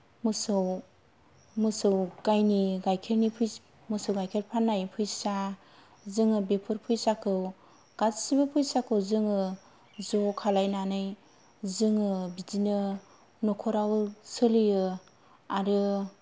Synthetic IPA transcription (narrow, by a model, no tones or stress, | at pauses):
mɯsɯw | mɯsɯwɡajniɡajkʰeɾnipʰɯj | mɯsɯwɡajkʰelpʰanːajpʰɯjsa | zɯŋɯbepʰɯɾpʰujsakʰɯw | ɡ̥atsibɯpʰɯjsakʰɯwzɯŋɯ | zɔkʰalajnanɯj | zɯŋɯbidinɯ | nɔkʰɔɾawsɯlɯjɯ | aɾɯ